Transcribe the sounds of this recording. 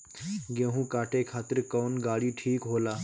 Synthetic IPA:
ɡeɦũkaʈekʰat̪əɾkəwnɡaɽiːʈʰiːkɦola

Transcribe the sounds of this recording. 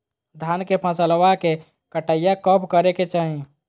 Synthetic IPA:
d̪ʱankepʰəsəlwake | kəʈəijakəpkəɾeket͡ʃaːɦĩ

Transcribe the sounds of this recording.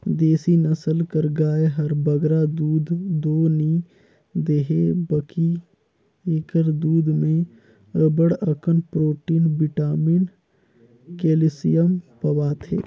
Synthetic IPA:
d̪eːsinəsəlkəɾɡaːeɦɐɾbəɡɾad̪uːd̪ːoːni | d̪eːɦebəki | eːkəɾd̪uːd̪mẽ | əbəɽəkənpɾoːʈiːnbɪʈaːmiːn | keːlɪsijəmpɐwaːt̪ʰḛː

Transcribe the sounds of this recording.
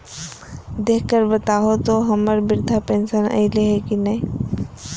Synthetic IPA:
d̪eːkʰkəɾbət̪aːɦot̪oɦəməɾbɪɾd̪ʱapẽːnsənə̰ɪleɦekinəĩ

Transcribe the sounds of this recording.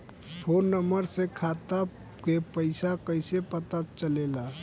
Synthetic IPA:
pʰonːəməɾsẽkʰat̪a | kepəɪsakəjsepət̪at͡ʃəlela

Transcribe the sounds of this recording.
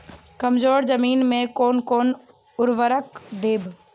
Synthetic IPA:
kɐmzoːɾzəmiːnmẽkoːnkoːn | ʊɾʋəɾəkd̪eːb

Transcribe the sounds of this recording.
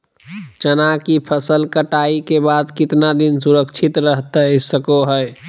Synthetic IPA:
t͡ʃənakipʰəsəlkəʈaikebad̪kit̪nad̪insuɾəkt͡ʃʰit̪ɾəɦt̪əsəkoɦəj

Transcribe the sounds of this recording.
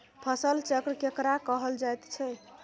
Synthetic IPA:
pʰəsəlt͡ʃəkɾəkekɾakəɦəld͡ʒajt̪t͡ʃʰɛ

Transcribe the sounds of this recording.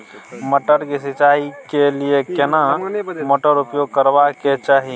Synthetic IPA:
məʈəɾkisɪt͡ʃaːikeliekenamoʈəɾʊpjoːɡkəɾbaket͡ʃaːɦi

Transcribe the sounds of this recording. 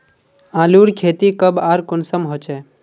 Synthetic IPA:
ãːluːɾkʰeːt̪ikəbaːɾkʊnsəmɦot͡ʃeː

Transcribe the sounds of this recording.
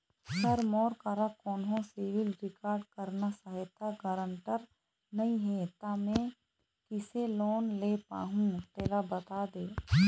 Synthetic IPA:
sɐɾmɔːɾkɐɾakɔːnɦõseʋɪlɾɪkaːɾɖkəɾnasaɦɪt̪ʰaɡəɾə̃ɳʈəɾ | nɐĩɦɛːt̪aːmɛ̃ː | kɪseloːnleːpa̰ːɦũt̪eːlabət̪aːd̪eː

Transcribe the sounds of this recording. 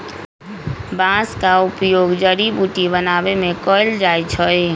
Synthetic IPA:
bãskaupjoːɡd͡ʒəɾibuʈibənabemẽkɔɪld͡ʒajt͡ʃʰəj

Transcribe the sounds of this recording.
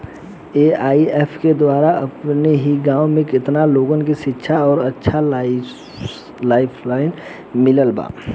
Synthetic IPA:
eːaːiɛːpʰked̪waːɾaɐpneɦiɡãːõmẽkɪt̪naloːɡənkiʃɪtːʃʰaɔːɾɐtːʃʰa | laːɪpʰlaːɪn | mɪləlba̰ː

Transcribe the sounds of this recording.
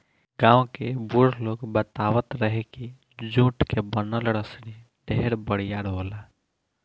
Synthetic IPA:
ɡãːw̃kebuɾloːɡbət̪aʋət̪ɾəɦeki | d͡ʒũʈkebənəlɽəsni | ɖʱeɦɾbəɽ̤ijaɽʱɦoːla

